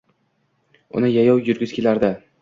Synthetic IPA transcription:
ʊ̰nɪjajɒwjʊɾɡʲɪz̥kʲʰe̞laɾd̪ɪ

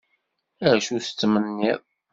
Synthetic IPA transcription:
əɾʃuθə̥t͡sːmənːið

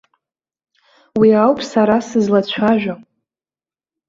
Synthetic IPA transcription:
wiawpʰʼsaɾasɨzlat͡ɕʷʰaʒᶣa

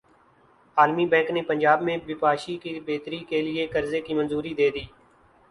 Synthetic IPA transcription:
aːlmiːbɛ̃ːŋkneːpənd͡ʒaːbmẽːbɪpaːʃiːkibeːt̪ɾiːkeːlɪeːkəɾzeːkiːmənzuːɾiːd̪eːd̪iː

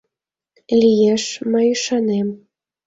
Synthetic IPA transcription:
lʲijeʃməjyʃɑnem

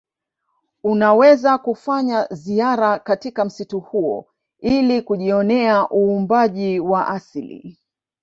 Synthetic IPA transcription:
unawɛzakufaɲaziaɾakatikam̩situhuɔ̰ | ilikuʄiɔnɛaʔuːmbaʄiwaʔasilḭ

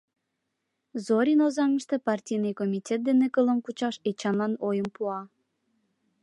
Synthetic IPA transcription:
zoɾʲinozɑŋəʃt̪epɑrtʲijnɨjkomʲitʲet̪̚d̪enekələ̆mkut͡ɕɑʃet͡ɕɑnlɑnojəmpuɑ

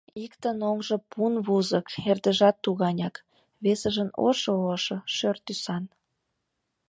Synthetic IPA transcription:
ikt̪ənoŋʒə̆punβuzə̆kerd̪ə̆ʒɑt̪ːuɣɑnʲɑk | βesəʒəno̰ʃooʃɤ̆ʃørt̪ysɑn

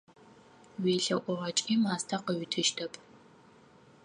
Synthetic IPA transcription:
weːɬɐʔʷɔʁɐt͡ʃʼiːmaːstʰaqəɥɪtʰɨʃtʰɐpʼ

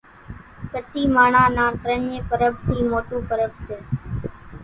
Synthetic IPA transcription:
pət͡ʃiːmaːɳãːnãːt̪ɾəɲẽːpəɾəb̚t̪ʰiːmoːʈuːpəɾəbseː

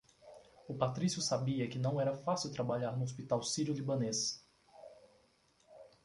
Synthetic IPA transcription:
ʊpat̪ɾisjʊsabiɐkɪnɐ̃w̃ɛɾɐfasiwt̪ɾabaʎaɾnʊospit̪awsiɾiʊlibɐ̃nes

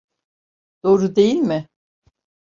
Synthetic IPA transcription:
d̪̥o̞ːɾud̪ejilʲmɪ

